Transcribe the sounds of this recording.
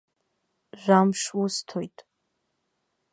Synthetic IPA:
ʒʷᶣamʂwustʰojtʼ

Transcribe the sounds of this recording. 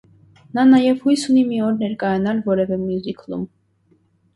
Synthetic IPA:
nɑnɑjɛvhujsunimiɔɾnɛɾkʼɑjɑnɑlvɔɾɛvɛmjuzikʰlṵm

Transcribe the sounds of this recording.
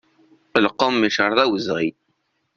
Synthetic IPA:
əlqːəmːiʃəɾˤðˤæwəzʁi

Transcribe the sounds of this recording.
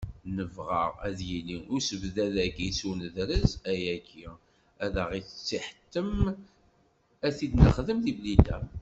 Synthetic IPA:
nəvʁə̰ʁæ̰ðjiliʊɾsəvðæðækisunəðɾəzæjæɡi | æðəʁiθə̥t͡sːiħə̥t̪ːəm | æθid̪nəχðəmðiblid̪æ̰

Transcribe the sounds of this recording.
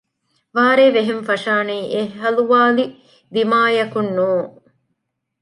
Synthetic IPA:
ʋaːɾeːʋeɦenfɐʃaːneːʔeɦɦɐluʋaːli | d̪imaːjɐkunːuːŋ

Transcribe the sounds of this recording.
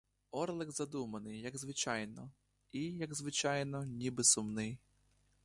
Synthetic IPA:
ɔrlˠɪɡzɐd̪umɐnɪjːɐɡzʋɪt͡ʃɑjnɔ | ijɐɡzʋɪt͡ʃɑjnɔnʲibɪsʊmnɪj

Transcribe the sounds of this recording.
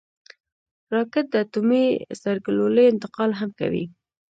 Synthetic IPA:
ɾɑkɪt̪̚d̪əat̪umisaɾɡloləjɪnt̪ɪqɑlɦamka̰wḭ

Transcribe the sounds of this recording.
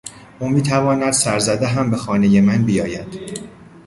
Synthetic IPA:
ʔuːmiːt̪ʰævɒːnæd̪̥sæɾzæd̪eɦæmbe̞xɒːne̞je̞mænbijɒːjæd̪̥

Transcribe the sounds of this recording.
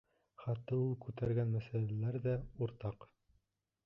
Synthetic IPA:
χæt̪ːɤulˠkʉt̪æɾɡænmæsælælæɾðæuɾt̪ɑq

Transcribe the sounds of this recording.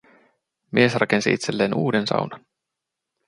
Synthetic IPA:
miesrɑke̞nsḭʔit̪selːeːnuːdensɑ̰wnɑn

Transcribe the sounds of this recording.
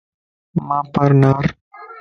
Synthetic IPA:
mãːpɐɾnaɾ

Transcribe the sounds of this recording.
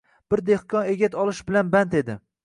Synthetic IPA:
b̥ɪɾd̪ehkʰɒneɡʲat̪ʰɒlˠɪʃbɪlanbant̪e̞d̪ɪ

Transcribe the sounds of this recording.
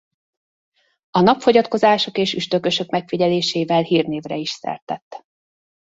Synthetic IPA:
ɒnɒpfo̞ɟɒt̪ko̞zaːʃo̞keːʃyʃt̪ø̞kø̞ʃø̞kmɛkfiɟɛleːʃeːvɛlhiːrneːvrɛiʃsɛ̰rt̪ɛt̪ː

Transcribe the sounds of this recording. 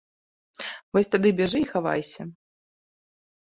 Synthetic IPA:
vɔsʲt̪ad̪ɨbʲɛʐɨːxava̰jsʲɐ

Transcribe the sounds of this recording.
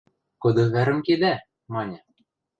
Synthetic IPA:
kɤ̆d̪ɤ̆βæɾɘ̆mked̪æ | mɑnʲɤ̆

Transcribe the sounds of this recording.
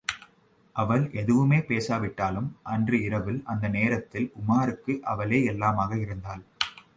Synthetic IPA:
ʔɐʋɐlʔɛðɯʋɯmeːpeːsaːʋɪʈːaːlɯmʔɐndrɯɪɾɐʋɪlɐnd̪ɐneːɾɐt̪ːɪlkʊmaːɾɯkːɯʔɐʋɐleːɛlːaːmaːɣɐɪɾɯnd̪aːl

